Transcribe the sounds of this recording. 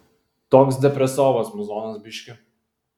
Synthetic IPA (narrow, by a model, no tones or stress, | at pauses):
t̪ɔːksd̪ʲɛpʲɾʲɛsɔːʋɐsmʊzɔːnɐsbʲɪʃʲkʲɪ